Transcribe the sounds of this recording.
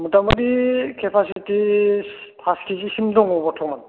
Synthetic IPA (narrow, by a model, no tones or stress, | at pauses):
mutamɔdikʰɛpʰasiti | pʰaskʰisisimdɔŋɔbɔtʰɔman